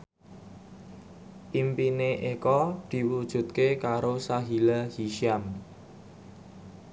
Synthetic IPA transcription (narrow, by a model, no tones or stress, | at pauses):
ʔimpineʔekɔd̪̥i̤wud̥ʒ̥ṳt̪̚kekaɾosaɦilahiʃiam